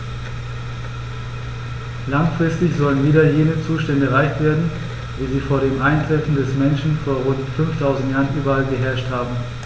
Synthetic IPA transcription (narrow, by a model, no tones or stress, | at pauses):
laŋfʁ̥ɪstɪçz̥ɔlənviːdɐjeːnət͡suːʃtɛndəʁaɪçtv̥eːɐdn̩ | viːziːfoːɐɾeːmʔaɪntʁ̥ɛfn̩dɛsmɛnʃn̩foːɐʁʊntfʏnftʰaʊzn̩tjaːʁənʔyːbɐalɡəɦɛɐʃthaːbm̩